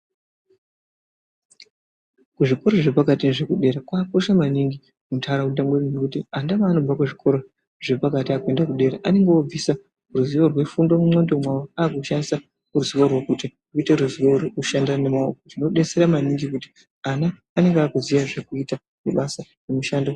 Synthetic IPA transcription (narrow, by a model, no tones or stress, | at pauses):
kuʐiko̞ɾoʐe̞pakatineʐe̞kuɗe̞ːɾakwako̞ʃamaniŋɡi | mutʰaɾaudambwennekutiandaʋaːno̞b͡vakuʐikʰo̞ɾo̞ | ʐe̞pakatiake̞ndakuɗe̞ɾaʔane̞ŋɡeob͡visa | ruziʋo̞rwe̞fundomumo̞ndo̞mwawoaːkuʃandisa | ruziʋorwokuti | uite̞ɾuziwo̞ɾouʃandane̞maokotino̞ɗe̞se̞ɾamaniŋɡikuti̥ | anaː | ne̞ŋɡaːkuziʋaʐekuita | muɓasa | nemuʃando